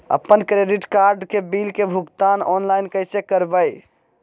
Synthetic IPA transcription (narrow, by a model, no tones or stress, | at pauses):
ə̰pːənkɾeɖiʈkaɾɖkebilkebʱuɡt̪anɔnlajnkəjsekəɾbəj